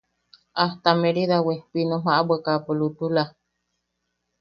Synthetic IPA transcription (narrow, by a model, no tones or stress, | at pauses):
aht̪ameɾiðawepinomaʔabwakapolut̪ula